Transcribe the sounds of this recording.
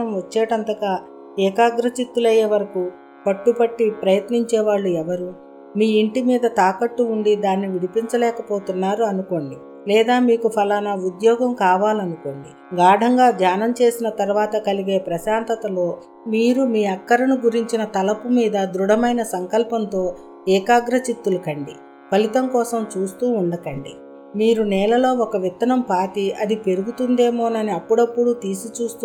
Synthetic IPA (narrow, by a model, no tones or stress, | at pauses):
ɐmɐt͡ʃːeːʈɐnt̪ɐkaː | ɛːkaːɡɾɐt͡ʃit̪ːulɐjeːʋɐɾɐku | pɐʈːupɐʈːipɾɐjɐt̪niɲt͡ʃɛːʋaːɭːuɛʋɐɾu | miːiɳʈimiːd̪ɐt̪aːkɐʈːuuɳɖid̪aːnːiʋiɽipiɲt͡ʃɐlɛːkɐpoːt̪unːaːɾuɐnuko̞ːɳɖi | lɛːd̪aːmiːkupʰɐlɐnɐud̪jɔːɡɐmkaːʋaːlɐnuko̞ːɳɖi | ɡaːɖʱɐŋɡaːd̪jaːnɐmt͡ʃe̞ːsinɐt̪ɐɾuʋaːt̪ɐkɐliɡe̞ːpɾɐʃaːnt̪ɐt̪ɐlo̞ː | miːɾumiːɐkːɐɾɐnuɡuɾiɲt͡ʃinɐt̪ɐlɐpumiːd̪ɐd̪ɾuɽɐmɐjnɐsɐŋkɐlpɐnt̪o̞ː | ɛːkaːɡɾɐt͡ʃit̪ːulɐkɐɳɖi | pɐlit̪ɐmkɔːsɐmt͡ʃuːst̪uːuɳɖɐkɐɳɖi | miːɾunɛːlɐlo̞ːɔkɐʋit̪ːɐnɐmpaːʈiɐd̪ipe̞ɾuɡut̪und̪e̞ːmo̞ːnɐniɐpːuɽɐpːuɽut̪iːsit͡ʃuːst̪ː